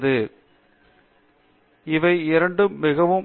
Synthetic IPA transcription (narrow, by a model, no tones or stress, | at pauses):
ðɯ | ɪʋɐɪɪɾɐɳɖɯmːɪɣɐʋɯm